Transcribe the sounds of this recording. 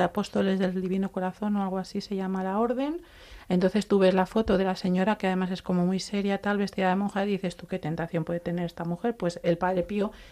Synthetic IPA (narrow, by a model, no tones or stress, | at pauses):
apo̞st̪o̞le̞zðe̞ld̪iβinoko̞ɾaθo̞no̞alɣ̞oasise̞ʝamalao̞ɾðe̞n | ent̪o̞nθe̞st̪uβe̞zlafo̞t̪oðe̞lase̞ɲo̞ɾakeaðe̞mase̞sko̞momijse̞ɾjat̪alβe̞st̪iðaðe̞monxaðiθe̞st̪uke̞t̪e̞nt̪aθjo̞mpwe̞ðet̪e̞neɾe̞st̪amuxe̞ɾpwe̞se̞lpaðɾe̞pio